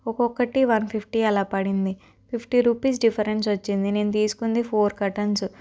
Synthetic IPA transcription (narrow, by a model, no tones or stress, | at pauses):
ɔkɔkːɐʈiʋɐnpʰipʰʈiɛlaːpɐɽind̪i | pʰipʰʈiɾupiːsɖipʰɐɾens̬ʋɐt͡ʃːind̪ine̞ːnut̪iːsu̥kund̪ipʰoːɾkɐʈɐns